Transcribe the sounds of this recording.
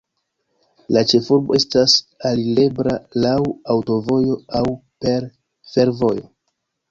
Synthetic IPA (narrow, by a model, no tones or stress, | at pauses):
lat͡ʃe̞fuɾbo̞e̞stasalile̞bɾalawawto̞vo̞jo̞awpe̞ɾ | fe̞ɾvo̞jo̰